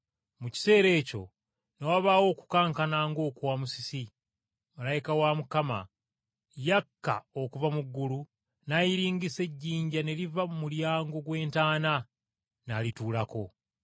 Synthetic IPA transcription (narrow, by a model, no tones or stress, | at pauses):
muci̥se̞ːɾe̞ːco̞̰ | nowaβaːwo̞ːku̥kaːŋkanaːŋɡo̞ːkwamusi̥si | malajikawamukama̰ | jakːa̰o̞kuvamuɡːulu | najiɾiːɲɡise̞ɟːiːɲɟane̞livamuljaːŋɡo̞ɡwe̞ːntaːna | nalituːlako̞